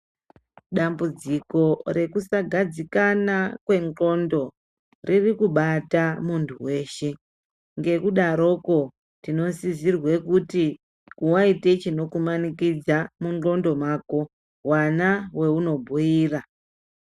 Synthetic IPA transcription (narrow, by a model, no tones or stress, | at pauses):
ɗambud͡ziko̞ɾe̞kusaɡʱad͡zikanakwe̞ŋŋ͡ǃo̞ndo̞ | rʔirikuɓatamuntʰuwe̞ːʃe̞ | ŋɡe̞kuɗaɾo̞ko̞ | tino̞sizirwe̞kuti | kuwaite̞t͡ʃino̞kumanikid͡zamuŋŋ͡ǃo̞ndo̞mako̞ | wanawe̞uno̞bʱujiːra